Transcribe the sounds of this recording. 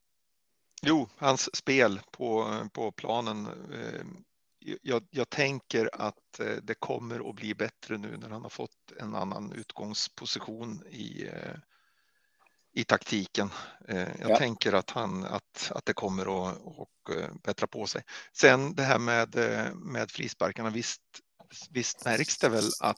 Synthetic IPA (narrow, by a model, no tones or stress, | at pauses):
juːhansːpeːlpʰɔpʰɔpʰlɑːnən | jɑːjɑːɡt̪ʰɛŋkəɾat̪d̪ɛkʰɔmːəɾɔ̰bliːbɛt̪ɾənʉ̟̰ːnæɾhanhaɾfɔt̪ːɛ̰na̰nːa̰nʉ̟ːt̪ɡɔŋspʰʊsɪɧuːnɪ̰ | ɪt̪ʰakt̪ʰiːkənjʔɑ̰ːt̪ʰɛŋkəɾat̪hana̰t̪a̰t̪̚d̪ɛkʰɔmːəɾɔɔkb̥ɛt̪ɾapʰɔsɛjsɛnd̪ɛɦæːɾmɛːd̪mɛːd̪fɾḭːspaɾkaɳavɪst̪ | vɪst̪mæɾksd̪ɛvɛla̰t̪